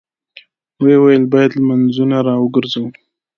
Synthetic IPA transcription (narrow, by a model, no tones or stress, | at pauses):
wewajəlbɑjad̪lmanzunaɾɑwəɡəɾzaw